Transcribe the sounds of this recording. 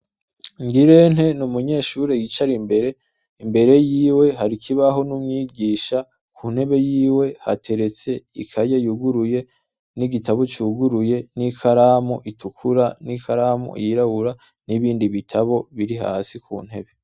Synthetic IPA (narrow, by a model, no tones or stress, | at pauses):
ŋɡiɾe̞n̥he̞numuɲe̞ːʃuɾeɡit͡ʃaɾimbe̞ɾe̞ | imbe̞ɾe̞jiːwe̞ɦaɾikʰiβaɦo̞numŋiːɡiːʃa | kʰuːn̥he̞βe̞jiːwe̞ha̰tʰe̞ɾe̞t͡se̞ikʰajɟajuɡuɾuje̞ | niɡitʰaβot͡ʃuːɡuɾuje̞nikʰaɾaːmoʔitʰukʰuɾanikaɾaːmo̰jiɾaβuɾa | niβiːndiβitʰaβo̞βiɾiɦa̰ːsikʰṵːn̥he̞̰βe̞